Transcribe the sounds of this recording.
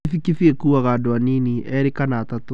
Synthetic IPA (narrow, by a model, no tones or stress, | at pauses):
fikifiekuːaɣadoaniniʔɛɾekanaːtato